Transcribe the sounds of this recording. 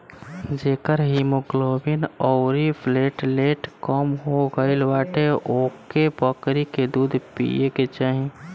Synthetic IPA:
d͡ʒeːkəɾɦimoɡloːbinɔːɾipʰleːʈleːʈkɔmɦoɡəɪlʋaːʈeʔoːkepəkɾiked̪uːd̪ʱpḭeket͡ʃaːɦĩ

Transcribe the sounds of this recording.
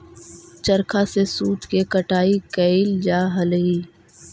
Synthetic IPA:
t͡ʃɐɾkʰasesuːt̪kekɐʈaːikɐɪld͡ʒaːɦɐliː

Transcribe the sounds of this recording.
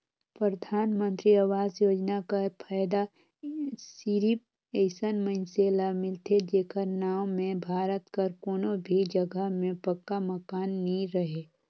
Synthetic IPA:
pɾɾəd̪ʱaːnmə̃nt̪ɾiaʋaːzjoːd͡ʒnakapʰaːjd̪a | siɾip̚ | eɪsənməɪnselamɪlt̪ʰed͡ʒeːkəɾnaːwmẽbʱaːɾət̪kəɾkoːnobʱid͡ʒəɡəɦmẽpəkːaməkaːnːĩɾəɦeː

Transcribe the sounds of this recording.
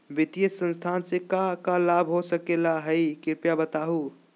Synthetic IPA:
bit̪ijəsə̃nst̪ʰansẽkakalabʱɦosəkelaɦəikiɾpjabət̪aɦu

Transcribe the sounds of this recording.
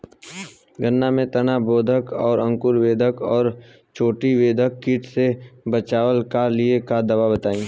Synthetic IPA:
ɡənːamẽt̪ɐnaboːd̪ʱəkɔːɾɐ̃ŋkʊɾʋeːd̪ʱəkɔːɾ | t͡ʃʰoːʈiʋeːd̪ʱəkːiʈʰsebət͡ʃaːwəlkaɾliekad̪ɐʋabət̪aːĩː

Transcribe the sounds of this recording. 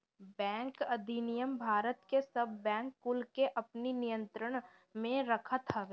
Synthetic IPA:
bɛ̃ːŋkɐd̪ʱinɪjəmbʱaːɾət̪kesɐbʱːɛ̃ːŋkːʊlkeʔɐpninijə̃nt̪ɾəɽ̃ | mẽɾɐkʰət̪ɦaɡ

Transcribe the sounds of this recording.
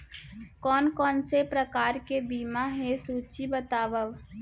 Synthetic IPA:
kɔːnkɔːnsepɾəkaːɾkebiːmaɦesuːt͡ʃibət̪aːbəb

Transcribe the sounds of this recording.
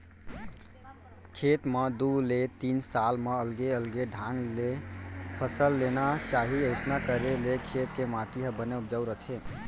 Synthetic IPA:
kʰet̪med̪ulet̪iːnsalmeəlɡeəlɡeɖʱãŋɡlepʰəsəlːenat͡ʃaɦiəɪsnakəɾelekʰet̪kemaʈiɦəbəneup̚d͡ʒəwɾət̪ʰe

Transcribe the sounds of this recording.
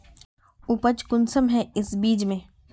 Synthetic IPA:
ʊpət͡ʃkʊnsəmɦɛɪsbiːd͡ʒmẽː

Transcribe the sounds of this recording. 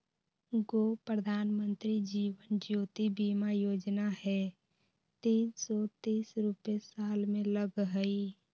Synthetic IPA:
ɡoːpɾəd̪ʱaːnmə̃nt̪ɾid͡ʒiːwənd͡ʒjuːt̪ibiːmajoːd͡ʒnaɦɛ | t̪ĩːnsɔt̪iːsɾupesaːlmẽləɡɦəi

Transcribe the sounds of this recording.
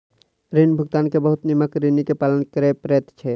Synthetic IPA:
ɾinbʱəɡ̚t̪ankebəɦut̪niməkɾinikepalənkəɾɛpɾɛt̪t͡ʃʰɛ

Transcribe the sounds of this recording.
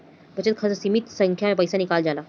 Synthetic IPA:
bət͡ɕet̪̚kʰəd͡zəsimit̪səŋkʰjamapəjsanikald͡zala

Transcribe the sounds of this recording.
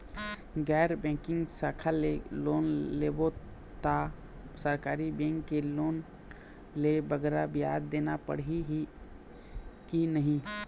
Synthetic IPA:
ɡɛɾbɛ̃kɪ̃ŋɡsakʰəlelonlebo | t̪a | səɾkaːɾibɛ̃ŋkːelon | lebəɡɾabija̰d̪ːenapə̰ɽɦiɦi | kinəɦĩ

